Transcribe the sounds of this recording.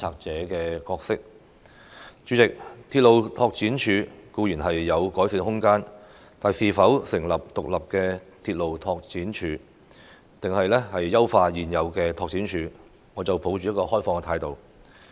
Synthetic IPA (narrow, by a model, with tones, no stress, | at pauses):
aː˧k̚t͡sɛː˨˥kɛː˧kɔː˧k̚sɪ˥k̚ | t͡ʃy˨˧˥t͡sɪ˨k̚t̪ʰiː˧t̚lo˨wt̪ʰɔː˧k̚t͡siː˨˥nt͡ʃʰyː˨˧kuː˧jyː˨˩nhɐ˨jːɐ˨˧wkɔː˨˥jsiː˧nhʊ˥ŋkaː˥n | t̪ʰaː˨˩jsiː˨˩fɐ˨˥wsɪ˨˩ŋlɐ˨p̚t̪ʊ˨k̚lɐ˨p̚kɛː˧t̪ʰi˧t̚lo˨wt̪ʰɔː˧k̚t͡siː˨˥nt͡ʃʰyː˨˧ | t̪ɪ˨ŋhɐ˨jlɛ˥hɐ˨jːɐ˥wfaː˧jiː˨njɐ˨˧wkɛː˧t̪ʰɔː˧k̚t͡sʰiː˨˥nt͡ʃʰyː˨˧ | ŋɔː˨˧t͡sɐ˨wpʰo˨˥wt͡ʃy˨jɐ˥t̚kɔː˧hɔː˥jfɔː˧ŋkɛ˧t̪ʰaː˨˧jt̪o˨w